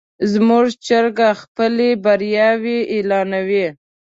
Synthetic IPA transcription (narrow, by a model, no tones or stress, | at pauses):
zmuʒt͡ʃəɾɡaxpəlebaɾjɑweʔelɑnawi